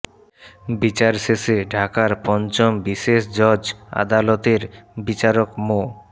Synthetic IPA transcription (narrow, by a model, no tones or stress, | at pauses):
bit͡ɕaɾseseɖʱakaɾpɔnt͡ɕombiʃeʃd͡ʑɔd͡ʑa̰d̪alɔt̪eɾbit͡ɕaɾokmo